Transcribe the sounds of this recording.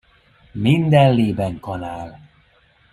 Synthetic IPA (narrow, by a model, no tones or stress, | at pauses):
mind̪ɛnleːbɛŋkɒnaːl